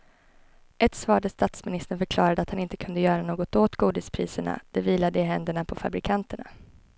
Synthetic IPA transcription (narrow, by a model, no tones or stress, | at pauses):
ʔɛt̪svɑːɖəst̪at̪smɪnɪst̪ənfœɾkʰlɑːɾad̪əat̪hanɪnt̪ə̥kʰɵnd̪əjœːɾanoːɡɔt̪oːt̪ɡuːd̪ɪspʰɾiːsəɳa̰d̪̥ɛviːlad̪əɪɦɛnd̪əɳapʰɔfa̰bɾɪkʰant̪əɳa̰